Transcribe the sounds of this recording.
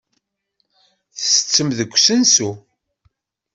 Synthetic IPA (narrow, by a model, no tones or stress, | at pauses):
θəsə̥t͡sːəmðəɡʷːsənsu